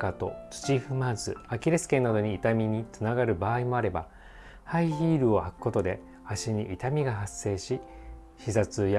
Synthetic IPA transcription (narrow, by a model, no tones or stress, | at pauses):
kat̪o̞t͡sɨ̥t͡ɕiɸɯ̟mazɨakʲiɾesɨ̥kẽ̞nːad̪o̞ɲ̟iːt̪amʲiɲ̟it͡sɨnaɡaɾɯ̟baːimo̞aɾe̞ba | haiçiːɾɯ̟o̞hakɯ̟̥kːo̞t̪o̞d̪e̞ | aɕiɲ̟iʔit̪amʲiɡaɦasːe̞ːɕi | ɕizat͡sɨja